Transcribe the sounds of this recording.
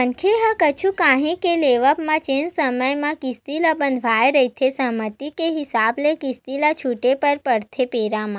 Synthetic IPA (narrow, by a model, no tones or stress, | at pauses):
ənkʰeɦə̃kət͡ʃʰũkãɦĩkeleʋəpmãt͡ʃensəməjmãkist̪ilabənd̪ʱʋajɾəɦit̪ʰesəɦmət̪ikeɦisablekist̪ilat͡ʃʰuʈepəɾpəɽt̪ʰepeɾamã